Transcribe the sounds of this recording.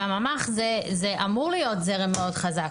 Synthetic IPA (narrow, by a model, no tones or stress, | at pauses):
amamaχzɛzɛʔamuʁlijotzɛʁemeodχazak